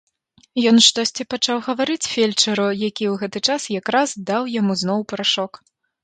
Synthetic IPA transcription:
jɔnʂt̪ɔsʲt͡sʲipat͡ʂawɣɐvaɾɨt͡sʲfʲelʲt͡ʂɐɾujakʲiwɣɛt̪ɨt͡ʂasjakɾazd̪awjamuzn̪ɔwpɾaʂɔk

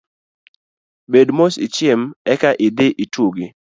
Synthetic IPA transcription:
bedmosɪt͡ʃɪmɛkaʔɪdɪʔituɡɪ

